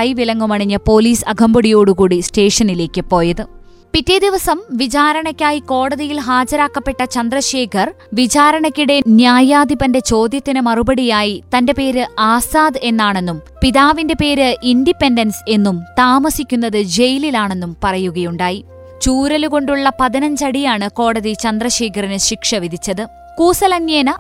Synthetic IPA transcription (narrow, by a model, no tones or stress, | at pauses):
ɐjʋilɐŋːumɐɳiɲːɐpo̞ːliːsɐɡʱɐmbɐɽijo̞ːɽukuːɽisʈe̞ːʂɐnile̞ːkʲːɨpo̞ːjɐðɨ | pitːed̪iʋɐsɐmʋit͡ɕaːɾɐɳɐkʲːaːjiko̞ːɽɐðijilɦaːd͡ʑɐɾaːkːɐpːe̞ʈːɐt͡ɕɐnd̪rɐɕe̞ːkʰɐr | ʋit͡ɕaːɾɐɳɐkʲːuɽe̞njaːjaːd̪ibɐnde̞t͡ɕo̞ːd̪jɐt̪ːinɨmɐrubɐɽijaːjit̪ɐnde̞pe̞ːɾɨaːsaːd̪e̞nːaːɳe̞nːum | piðaːʋinde̞pe̞ːɾɨʔinɖipːe̞ndɐnse̞nːumt̪aːmɐsikʲːunːɐðɨd͡ʑe̞jililaːɳe̞nːumpɐrɐjuɣɐjuɳɖaːji | t͡ɕuːɾɐluko̞ɳɖuɭːɐpɐðinɐɲd͡ʑɐɽijaːɳɨko̞ːɽɐðit͡ɕɐnd̪rɐɕe̞ːkʰɐrinɨɕikʂɐʋiðʱit͡ɕːɐðɨ | kuːsɐlɐnjeːnɐ